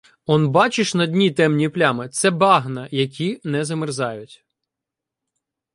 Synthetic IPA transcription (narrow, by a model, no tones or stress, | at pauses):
ɔnbɑt͡ʃɪʃnɐdʲnʲit̪ɛmnʲiplʲamɪt̪sɛbɑɦnɐjɐkʲʰinɛzɐmɪrzɑjʊtʲ